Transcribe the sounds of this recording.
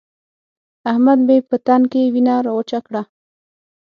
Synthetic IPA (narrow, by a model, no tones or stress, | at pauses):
ahmad̪bepət̪ankewinaɾawot͡ʃakɽa